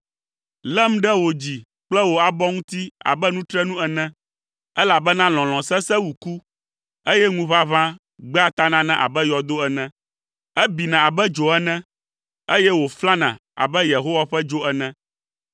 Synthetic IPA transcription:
lɛ˦m̩̃˦ɖɛ˦wo˨d͡ʑi˨ | k͡plɛ˦wo˨a˨bɔ˦ŋũ˦t̪i˦a̰˨bɛ˦nũ˦t̪ɾɛ˦nũ˦ɛ˨nɛ̃˦ | ɛ˦la˨bɛ˦nã˦l̃ɔ̃˨l̃ɔ̃˨sɛ˦sɛ˦wu˨ku˦ | e˦jɛ˦ŋũ˦βa˦βã˦ | ɡ͡bɛ˦a˦t̪a˦nã˦nɛ̃˦ʔa̰˨bɛ˦jɔ˨d̪o˦ɛ˨nɛ̃˦ | ɛ˦bi˨nã˨a˨bɛ˦d͡ʒo˨ɛ˦nɛ̃˦ | e˦jɛ˦wo˨fla˦nã̰˨a̰˨bɛ˦je˨ɦo˦wa˦ɸɛ˦d͡ʒo˦ɛ˨nɛ̃˦

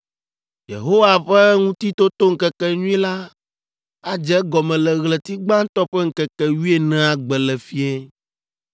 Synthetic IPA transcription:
jḛ˨ɦo˦wa˨ɸɛ˦ŋũ˦t̪i˦t̪o˦t̪o˦ŋ̩˨kɛ˦kɛ˦ɲũ˦i˦la˦ | a˦d͡ʒɛ˦ɡɔ˨mɛ̃˨lɛ˨ɣlɛ˨t̪i˦ɡ͡ba˦ŋ̩˦t̪ɔ˦ɸɛ˦ŋ̩˦kɛ˨kɛ˨wi˦e˦˨nɛ̃˨a˨ɡ͡bɛ˨lɛ˨fi˦ɛ˦

